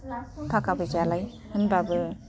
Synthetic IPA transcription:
kʰakabɯd͡ʒalaj | hɯnbabɯ

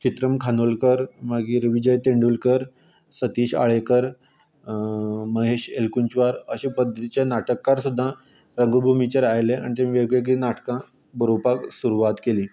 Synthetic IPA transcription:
t͡ɕit̪ɾəmkʰanolkəɾmaɡiːɾʋid͡ʑəjt̪eɳɖulkəɾ | sət̪iːɕa̰ɭekəɾ | məɦeɕelkunt͡ɕʋaɾəɕipəd̪ʱːət̪it͡ɕanaʈəkːaɾsud̪ʱːã | ɾəŋɡubʱumit͡ɕeɾajlea̰ɽit̪jamĩʋeɡɭeɡɭinaʈkã | bəɾopaksuɾuʋat̪keliː

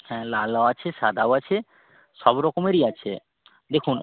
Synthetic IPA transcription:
hɛ̃lalaat͡ɕʰeʃad̪ʱawat͡ɕʰe | ʃɔbɾɔkomeɾiat͡ɕʰḛ | d̪ekʰun

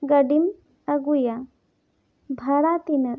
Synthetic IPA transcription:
ɡɐɖim | ɐɡuja | bʱɐɾaːt̪inɐ

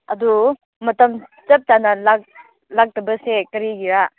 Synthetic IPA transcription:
ɐdu | mɐtɐm | t͡ʃɐp̚tanɐlak̚ | lak̚tɐbɐsekɐɾiɡiɾa

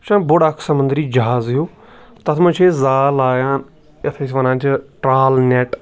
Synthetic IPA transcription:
ʃãːbʊɽakʰsəmʊnd̪ɾiːd͡ʒɐɦaːzjoː | t̪ɐt̪ʰmə̃t͡ʃʰeːzaːlaːjaːn | et̪ʰesʋənãːt͡ʃʈɾaːlnɛːʈ

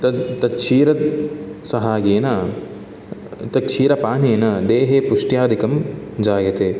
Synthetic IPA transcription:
t̪ɐt̪ɐt͡ʃʰiːɾɐ | sɐɦaːɡeːnɐ | t̪ɐt͡ʃʰiːɾɐpaːneːnɐd̪eːɦeːpuʂʈjaːd̪ʱikɐmd͡ʒaːɡɐt̪eː

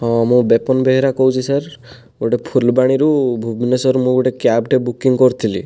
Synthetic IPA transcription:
ɦɔ̃amɔ̃bepɔnbeɦeɾakɔɦut͡ʃʰisaɾ | ɡoʈepʰulbaɽ̃iɾubʱubinesɔɾmũɡɔʈekjabʈebukiŋkɔɾt̪ʰili

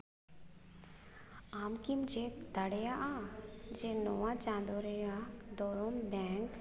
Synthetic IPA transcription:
aːmkimd͡ʒed̪əɽejaʔaːd͡ʒenoːʋãt͡ʃãːnd̪oɾejad̪oːɾombɛ̃ːŋk

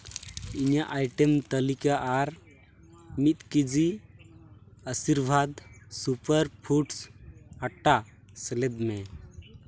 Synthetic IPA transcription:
iɲaʔajʈɛmt̪əlikaʔːɾ | mit̪̚kid͡ʒi | əsiɾbʱad̪supəɾpʰuʈsaʈːa | sɛlɛd̪mɛ

